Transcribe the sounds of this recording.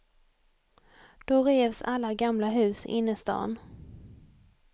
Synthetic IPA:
d̪̥ɔɾeːvsalːaɡamlaɦʉ̟ːsɪ̰nːəst̪ɑ̰ːn

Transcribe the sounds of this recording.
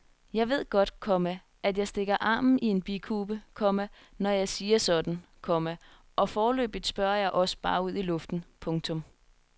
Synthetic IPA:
jɑ̈ɪʋe̝ð̞̰ˠɡ̥ɒ̽d̥kʰɒ̽mæ | ʔæd̥jɑ̈ɪsd̥e̝ɡ̥ɐʔɑ̈ːmn̩ie̝nb̥ikʰuːb̥əkʰɒ̽mæ | nɒjɑ̈ɪsiːɐsɒ̽d̥n̩kʰɒ̽mæ | ʔɒ̽fɒːlø̰ːb̥ið̩ˠsb̥ɶɐjɑ̈ɪʔɒ̽sə̥b̥ɑ̈ːuð̰ˠilɔ̽fd̥n̩pʰɔ̽ŋt͡sʰɔ̽m

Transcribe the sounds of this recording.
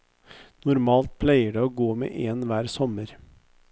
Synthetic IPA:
nʊɾmɑːlt̪̚pʰlæɪəɖeːoːɡoːmḛːʔeːnʋæːɾsɔməɾ

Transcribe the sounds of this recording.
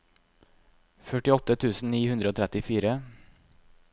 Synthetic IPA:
fœʈɪɔt̪ət̪ʰʉːsn̩niːhʉnd̪ɾəoːt̪ʰɾɛt̪ɪfiːɾə

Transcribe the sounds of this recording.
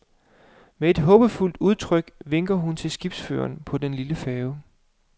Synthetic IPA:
mee̝d̥ɦɔ̽ːb̥əful̰d̥uð̞ˠt͡sʰʁœɡ̥ʋe̝ŋ̰ɡ̥ɐɦunt͡sʰe̝lsɡ̥ib̥sfø̰ːɐnpʰɒ̽d̥enliləfɛːʊ

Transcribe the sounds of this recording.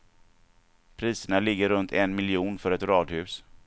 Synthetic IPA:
pʰɾiːsəɳalɪɡːəɾɵnt̪ʰɛnmɪlɪuːnfœɾɛt̪ɾɑːd̪hʉ̟ːs

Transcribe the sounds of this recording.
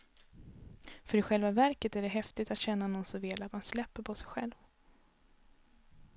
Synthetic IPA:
fœɾɪɧɛlvavæɾkət̪æɖɛɦɛft̪ɪt̪at̪ɕɛnːanɔnːsɔvɪlat̪manslɛpːəɾpʰɔsɛjɧɛ̰lv

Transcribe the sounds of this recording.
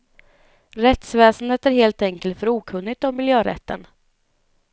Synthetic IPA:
ɾɛt̪svɛːsənd̪ət̪æɾɦeːlt̪ɛŋkəlt̪fœɾuːkʰɵnːɪɡt̪ɔmːɪljøːɾɛ̰t̪ʰːə̰n

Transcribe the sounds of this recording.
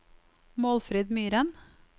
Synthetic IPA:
moːlfɾeːd̪myːɾən

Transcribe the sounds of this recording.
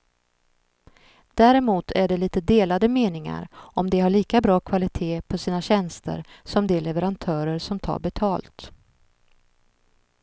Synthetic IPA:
d̪̥æːɾɛmuːt̪ʰæɖɛliːt̪əd̪eːlad̪əmeːnɪŋa̰ɾɔmd̪ɛɦaɭiːkabɾɑːkʰvalɪt̪ʰeːpʰɔsiːnaɕɛnst̪ə̰ɾ | sɔmd̪ɛlɛvəɾant̪ʰœːɾəɾsɔmt̪ʰɑ̰ːɾbɛt̪ʰɑːlt̪

